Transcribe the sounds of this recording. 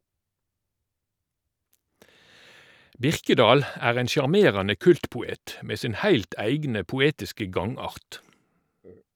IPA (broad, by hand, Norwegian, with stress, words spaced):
ˈbɪʁkəˌdɑːl ˈæːʁ ˈeːn sjɑʁˈmeːʁɑnə ˈkʉltpʊˌeːt ˈmeː ˈsɪn ˈhæɪlt ˈæɪɡnə pʊˈeːtɪskə ˈɡɑŋˌɑʁt